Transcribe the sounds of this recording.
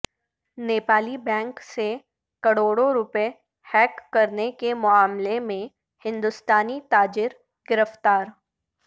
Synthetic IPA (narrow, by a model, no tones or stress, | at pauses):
neːpaːlibɛ̃ːŋkse | kɐɽoːɽoɾʊpe | hɛːkːɐɾnekemʊaːmlemẽ | hɪ̃nd̪ʊst̪aːnit̪aːd͡ʒɪɾ | ɡ̥ɪɾəft̪aːɾ